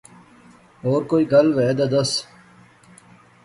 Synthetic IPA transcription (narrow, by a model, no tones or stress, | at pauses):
oːɾkoːiːɡɐlʋɛːd̪ɐd̪ɐs